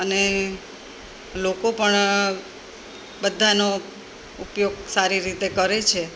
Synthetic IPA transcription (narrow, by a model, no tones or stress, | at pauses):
əne | lokopəɳ | bəd̪ʱano | upjoɡ̚saɾiɾit̪ekəɾet͡ʃʰe